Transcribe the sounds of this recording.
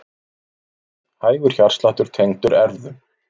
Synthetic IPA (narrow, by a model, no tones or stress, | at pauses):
haːjɣʏɾ̥çar̥st̪laːht̪ʏɾ̥t̪ʰejŋt̪ʏɾɛɾðʏ